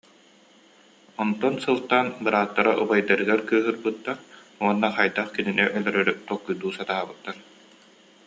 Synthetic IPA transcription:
ɔnt̪ɔnsɯlˠt̪aːnbɯɾaːt̪ːaɾaʔubajd̪ɐɾɯɡɛɾkɯːɦɯɾbɯt̪ːaɾ | uɔnːaχajd̪aχkininɛʔœlœɾœɾyt̪ɔkːujd̪uːsat̪aːbɯt̪ːaɾ

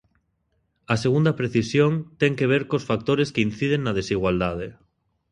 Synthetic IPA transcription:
ɐseɣund̪apɾeθisjoŋt̪eŋkeβ̞eɾkosfak̚t̪oɾeskeinθið̞eŋːað̞esiɣwald̪að̞e

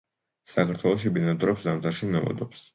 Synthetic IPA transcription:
sakʰaɾt̪ʰwɛlˠɔʃ̬ibinat̪ʼɾɔpszamt̪ʰʼaɾʃinɛlɔ̰d̪ɔps

